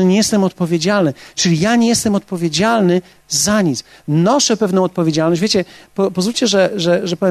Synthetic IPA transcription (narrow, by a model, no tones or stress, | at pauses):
ɲejɛst̪ɛmɔt̪̚pɔvʲjed͡ʑalnɘt͡ʂɘlʲijaɲejɛst̪ɛmɔt̪̚pɔvʲjed͡ʑalnɘ | zaɲit̪snɔʂɛpɛvnɔ̃w̃ɔt̪̚pɔvʲjed͡ʑalnɔɕd͡ʑvʲjet͡ɕɛpɔpɔzvulʲt͡ɕɛʐɛʐɛʐɛpɔ